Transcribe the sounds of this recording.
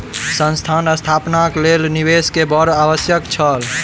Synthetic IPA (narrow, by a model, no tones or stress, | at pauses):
sə̃nst̪ʰanəst̪ʰapnaklelnibeskebəɾaʋəsjəkt͡ʃʰəl